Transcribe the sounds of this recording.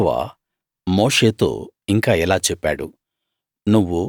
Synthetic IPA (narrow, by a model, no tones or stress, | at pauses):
ʋa̰ | moːʂe̞ːt̪o̞̰ːiŋkaːɛlaːt͡ʃɛpːa̰ːɽṵ | nuʋːu